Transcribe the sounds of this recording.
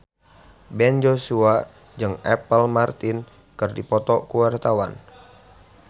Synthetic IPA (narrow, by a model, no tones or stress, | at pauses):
bɛnd͡ʒosua | d͡ʒɨŋɛpəlmart̪in | kɨrdipɔt̪ɔkuwart̪awa̰n